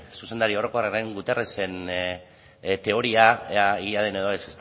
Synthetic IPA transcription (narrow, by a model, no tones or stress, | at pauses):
suse̞nd̪aɾio̞ɾo̞ko̞arereŋɡut̪erese̞n | t̪e̞o̞ɾiaiɣiað̞ene̞ðoesest̪